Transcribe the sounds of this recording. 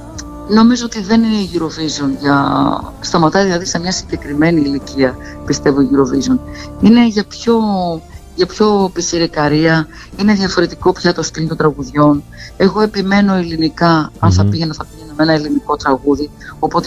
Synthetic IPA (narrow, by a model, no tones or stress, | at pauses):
no̞mizoot̪iðe̞nine̞iʝiɾo̞vizo̞nʝɐ | st̪ɐmɐt̪ɐðilɐðise̞mɲɐsiɲɟe̞kɾime̞niːliciɐpist̪e̞voiʝiɾo̞vizo̞nine̞ʝɐpço̞ | ʝɐpço̞pisiɾikɐɾiɐ | ine̞ðʝɐfo̞ɾe̞t̪iko̞pçɐt̪o̞st̪ilnt̪o̞nd̪ɾɐɣuðʝo̞ne̞ɣo̞e̞pime̞no̞ilinikɐɐnθɐpiʝenɐθɐpiʝenɐmenɐeliniko̞t̪ɾɐɣuði | o̞po̞t̪e